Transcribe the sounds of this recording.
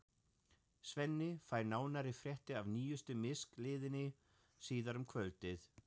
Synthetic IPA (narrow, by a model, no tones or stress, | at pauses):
svɛnːɪfaːjɾnaːwnaɾɪfɾjɛht̪ɪavniːjʏst̪ʏmɪsklɪːðɪnɪ | siːðaɾʏmkʰvœlt̪ɪθ